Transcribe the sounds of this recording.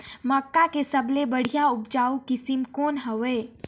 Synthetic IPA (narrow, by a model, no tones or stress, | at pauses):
məkːakesəblebəɽ̤ijaʊpd͡ʒaːukɪsɪmkoːnɦəʋeː